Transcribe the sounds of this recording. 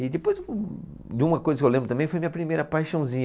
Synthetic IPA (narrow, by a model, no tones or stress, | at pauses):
ɪd̪ɪpojz | d̪ɪũmɐkojzɐkɪewlẽbɾt̪ɐ̃mẽj̃fojɐmĩɲɐpɾimejɾɐpajʃɐ̃w̃zĩɲ